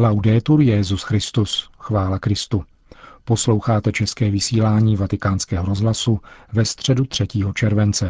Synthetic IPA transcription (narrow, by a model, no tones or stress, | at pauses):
lawdɛːt̪uɾjɛzusxɾɪst̪usxvaːlakɾɪst̪u | po̞slo̞wxaːt̪ɛt͡ʃɛskɛːvɪsiːlaːɲiːvat̪ɪkaːnskɛːɦoɾo̞zɦlasuvɛst̪r̝̥ɛdut̪r̝̥ɛciːɦo̞t͡ʃɛɾvɛnt͡sɛ